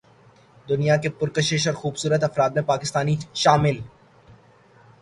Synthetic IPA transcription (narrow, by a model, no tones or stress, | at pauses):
d̪ʊnijakepʊɾkəʃɪʃɔːɾxuːbsuːɾət̪ɐfɾaːd̪̚mẽpaːkɪst̪aːniʃaːmɪl